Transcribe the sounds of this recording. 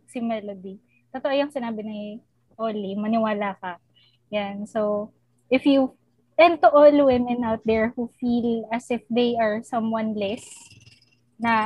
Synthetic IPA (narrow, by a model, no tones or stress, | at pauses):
sɪmɛlod̪i | t̪ot̪oʔojɐŋsɪnaːbɪnɐ | ʔolimɐnɪwaːlakɐ | jansow | ʔɪfju | ʔɛn̚t̪uʔolwɪmɛ̃nʔawt̪̚d̪ɛɹhufilɐsɪfd̪ejʔɐɹsɐ̃mwɐnlɛs | nɐ